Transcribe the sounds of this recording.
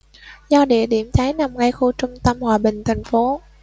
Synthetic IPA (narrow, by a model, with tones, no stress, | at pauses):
zɔ˧ɗḭ˧˨əɗi˧˩əmt͡ɕ̪ʰaː˨˦jna˨˩mŋa˧jxu˧t͡ɕʊ˧ŋ͡mt̪ə˧mhwaː˨˩ɓï˨˩ŋ̟t̪ʰa˨˩jŋ̟fo˨˦